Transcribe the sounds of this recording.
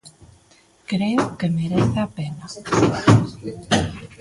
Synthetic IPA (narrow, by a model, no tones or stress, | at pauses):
kɾeokemeɾeθeapena